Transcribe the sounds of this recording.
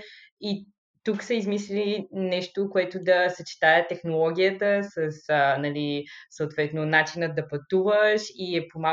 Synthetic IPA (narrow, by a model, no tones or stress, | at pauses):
i | t̪uksəizmislilinɛʃt̪okoɛt̪od̪ɐsɐt͡ʃi̥t̪aət̪ɛxnolˠɔɡʲiət̪əsəsənɐlisoot̪vɛt̪nonat͡ʃinəd̪ɐpɐt̪uvəʃiɛpoma